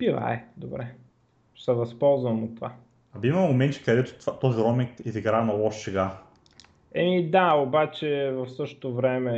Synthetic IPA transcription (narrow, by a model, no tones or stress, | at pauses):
biva̰ɛd̪obɾɛ | sɐvɐspɔlˠzvɐmot̪ːva | ɐbiimɐmomɛnt͡ʃ̪i̥kɐd̪ɛt̪ʊ̥t̪at̪ɔziɾɔmikiziɡɾanɐlˠɔʃsɛɡa | ɛmid̪aobat͡ʃɛvɐfsɤʃt̪o̥t̪ovɾɛmɛ